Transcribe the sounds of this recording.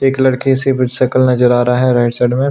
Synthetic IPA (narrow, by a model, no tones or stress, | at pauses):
eːklɐɽkisebɪd͡ʒsɐkəlnɐd͡ʒəɾaːɾaɦɛɾaːɪʈsɛɖmẽ